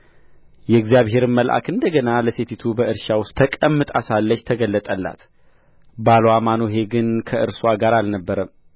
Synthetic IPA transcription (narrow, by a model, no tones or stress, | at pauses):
jɛɡzjaβɦe̞ɾɨnməlʔa̰kɨnd̪əɡənaləset̪ʰit̪ʰubəʔɨɾʃawʊst̪ʰːəkʼəmːɨt̪ʼasalːət͡ʃːt̪ʰəɡəlːət̪ʼəlːa̰t̪ | balwamanoɦe̞ɡɨnkʰəʔɨ̰ɾsaɡaɾalnəbːəɾəm